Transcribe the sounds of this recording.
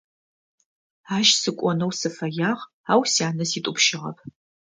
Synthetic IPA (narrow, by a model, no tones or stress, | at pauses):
aːʃsɨkʷʼɔnɐwsɨfɐjaːʁ | aːwsjaːnɐsiːtʼʊpʃɪʁɐ̰pʰ